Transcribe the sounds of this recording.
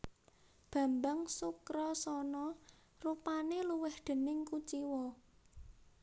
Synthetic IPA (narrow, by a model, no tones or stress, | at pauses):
b̥ä̤mbaŋsukɾɔsɔnɔ | rupaneluwɪhd̪̥ə̤nɪŋkut͡ʃiwɔ